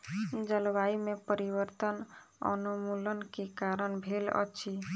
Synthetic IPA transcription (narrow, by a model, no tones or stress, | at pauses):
d͡ʒəlwaimepəɾibəɾt̪ənə̰numulənkekaɾənbʱelə̰t͡ʃʰi